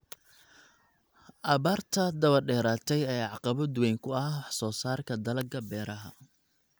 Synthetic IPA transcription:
ʔɐβaːrt̪ʰɐd̪ɐβɐrɖɛːɾaːt̪ʰɛjɛːjʕɑqɑβɔd̪wɛjŋkʰʊɐwɑħsɔːsaːrkʰɐd̪ɐlɐɡɐbɛːɾɐɦɐ̰

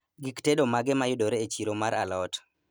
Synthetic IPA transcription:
ɡiktedomaɡɛmajʊdoɾeːt͡ʃiɾomaɾʔalɔt

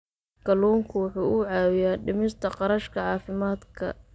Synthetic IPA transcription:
kɐluːŋkʰʊwʊħuːʔʊʕɑːwɪjaːɖɪmɪst̪ʰɐqɑɾɐʃkʰɐʕɑːfɪmaːd̪kʰɐ̰

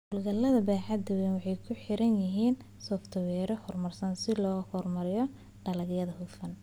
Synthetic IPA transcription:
hʊlɡɐlːɐðɐbɛːħɑd̪ɐwɛːnwɑħɑjkʰʊħɪɾɐnjɪɦiːn | sɔːft̪ʰɐwɛːɾɔhɔrmɐrsɐnsɪlɔːhɔrmɐɾɪjɔ | ɖɐlɐɡjɐðɐhʊfɐn

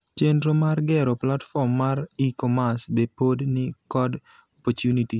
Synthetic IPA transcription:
t͡ʃendɾomarɡɛɾɔplatfɔmːaɾikɔmasbepodnɪkɔd | ɔpɔtjuniti

